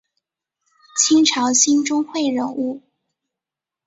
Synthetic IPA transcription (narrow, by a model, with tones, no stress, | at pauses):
t͡ɕʰi˥ŋʈ͡ʂʰɑ˧˥ʊɕi˥nʈ͡ʂʊ˥ŋxwe˥˩ɪɻə˧˥nu˥˩